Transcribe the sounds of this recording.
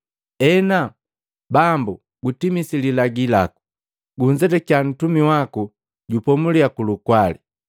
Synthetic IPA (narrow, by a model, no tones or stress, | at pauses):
ɛna | bambu | ɡutimisililaɡila̰ku̥ | ɡuɲd͡ʒɛtɛkian̩tumiwaku | ɟupɔmuliakulukwalḭ